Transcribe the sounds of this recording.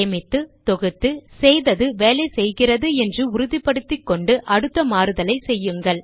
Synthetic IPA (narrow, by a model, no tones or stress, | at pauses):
ɐmɪt̪ːɯt̪ɔɣɯt̪ːɯsɛjðɐðɯʋeːlɐɪsɛjɣɪrɐðɯɛndrɯʊɾʊðɪpːɐɽɯt̪ːɪkːɔɳɖɯʔɐɽɯt̪ːɐmaːɾɯðɐlɐɪsɛjːɯŋɡɐɭ